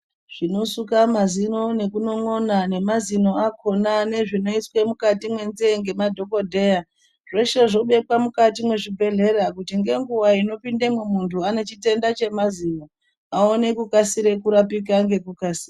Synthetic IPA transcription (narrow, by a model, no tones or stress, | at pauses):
ʐ̥ino̞sukamazino̞ne̞kuno̞ŋo̞nane̞mazino̞ako̞nane̞ʐino̞iswemukatimwe̞nzeŋɡe̞madʱo̞ko̞dʱe̞ja | ʐe̞ʃe̞ʐo̞ɓe̞pwamukatimwe̞ʐibʱe̞ɮe̞ɾakutiŋɡe̞ŋɡuwaino̞pindemwemuntʰuane̞t͡ʃite̞ndat͡ʃe̞mazino | aone̞kukasiɾe̞kuɾapik̬aŋɡe̞kukasira